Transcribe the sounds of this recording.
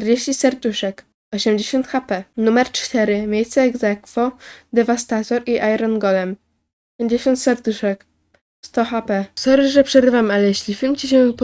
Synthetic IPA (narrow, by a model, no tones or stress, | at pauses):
tɛɾd͡ʑeɕt͡ɕisɛɾt̪uʂɛk | ɔɕɛmd͡ʑeɕɔnt̪xapɛnumɛɾt͡ʂt̪ɛɾɘmʲjejst̪sɛːɡzɛkfɔd̪ɛvast̪at̪ɔɾiʔajɾɔnɡɔlɛm | pʲeɲd͡ʑeɕɔnt̪sɛɾd̪uʂɛk | st̪ɔxapɛsɔɾɘʐɛpʂɛɾɘvamalɛjeɕlʲifʲilmt͡ɕiɕ̬ɛp